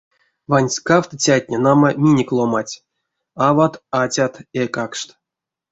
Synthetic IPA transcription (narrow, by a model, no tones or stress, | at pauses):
vanʲsʲkaft̪ət͡sʲatʲnʲenaməmʲinʲekʲlˠomatʲ | avat̪atʲat̪ekakʂt̪